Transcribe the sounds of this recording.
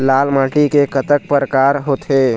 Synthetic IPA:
laːlmãːʈikekət̪ək̚pəɾəkaːɾɦot̪eː

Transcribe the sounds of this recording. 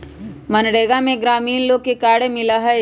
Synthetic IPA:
mɐnɽeːɡamẽɡɾaːmiːnloːɡ̚kekaːɽemɪlaɦɛ

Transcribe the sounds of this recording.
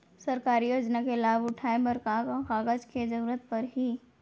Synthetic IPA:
səɾkaːɾijoːd͡ʒnakelaːbʊʈʰaːẽbəɾkakkaːɡəd͡ʒked͡ʒɐɾuːɾət̪̚pəɾɦi

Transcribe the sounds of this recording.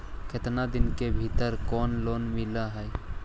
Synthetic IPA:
kʰet̪nad̪ɪnkebʱit̪əɾkɔːnloːnmɪlaɦɛe

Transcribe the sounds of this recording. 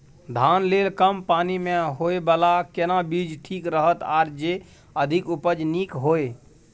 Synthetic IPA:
d̪ʱaːnlelkəmpaːnimẽɦoebəlakenabid͡ʒʱʈʰiːkɾəɦət̪aːɾd͡ʒe | əd̪ʱikupəd͡ʒnikɦoːe

